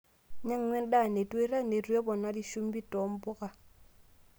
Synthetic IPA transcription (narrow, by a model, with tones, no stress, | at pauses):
ɲa˦ŋŋe˦nɗa˦˨ne˨tu˦i˦ɾa˦ne˨ɾu˦e˦bo˨na˦di˦ʃu˦mbi˦to˨˦mbo˦ka˨